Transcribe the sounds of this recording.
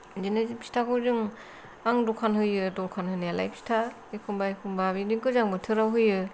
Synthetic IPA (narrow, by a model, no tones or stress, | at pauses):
d͡ʒinɯzipʰi̥stʰakʰɯwzɯŋ | aŋdɔkʰanhɯjɯdɔkʰanhɯnajala̰jpʰi̥stʰa | ekʰumbajkʰumbabidiŋkɯzaŋbɯtʰɯɾawɦɯjɯ